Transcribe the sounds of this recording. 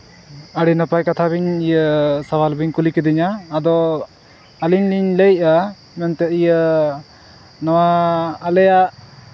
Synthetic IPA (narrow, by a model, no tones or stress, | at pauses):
əɽinəpajkat̪ʰabiɲijəsawalbiɲkulikɛd̪iɲaːd̪ɔ | aliɲliɲləja | mɛnt̪ɛijə | nɔwaːlɛjaʔ